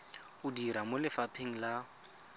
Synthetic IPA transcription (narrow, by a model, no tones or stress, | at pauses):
ʊdiɾamolɪfapʰeŋ̩la